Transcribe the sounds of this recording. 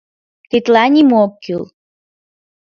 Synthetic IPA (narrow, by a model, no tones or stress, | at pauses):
t̪it̪lˠanʲimokʲːulˠ